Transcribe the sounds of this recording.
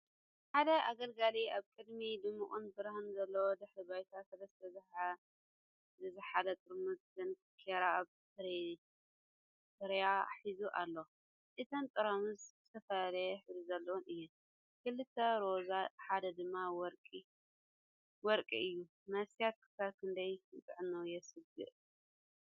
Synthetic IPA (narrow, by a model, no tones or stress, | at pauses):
ħad̪ɐʔaɡɐlɡaliaβkʼɨd̪mid̪ɨmːɨkʼunbɨɾhɨnzɐlːɐwod̪ɨħɾibajt̪ʰasɐlɐst̪ʰɐzɨħa | zɨzɨħalɐt̪ʼɨɾmɨzzɨnfkʰeɾaaβ | sɨɾ | fɨɾja̰ħizuʔa̰lːo | ʔɨt̪ʰɐnt̪ʼɨɾɐmɨzzɨt̪ʰɐfɐlɐjħɨzuzɐlːɐwunɨjːɛn | kɨlɨt̪ʰːɐɾo̞zaħad̪ɐd̪ɨmːawɔɾkʼi | wɔɾkʼiɨjːu | mɐsijat̪̚kʰɨ̥saβkʰɨnd̪ɐjɨt̪ʼɨʕnɐwjɛsɨɡɨ̰ʔ